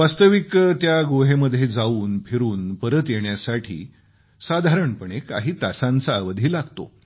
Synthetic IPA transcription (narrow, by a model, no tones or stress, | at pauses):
ʋast̪əʋikt̪jaɡoɦeməd̪ʱːjed͡zauːnpʰiɾuːnpəɾət̪jeɳjasaʈʰḭː | sad̪ʱaɾəɳpəɳ̃eka̰ɦiːt̪asãnt͡saːʋəd̪ʱiːlaɡt̪o̰